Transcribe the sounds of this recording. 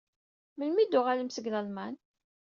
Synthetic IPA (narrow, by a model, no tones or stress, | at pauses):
məlmid̪ʊʁaləmsəɡlælmæn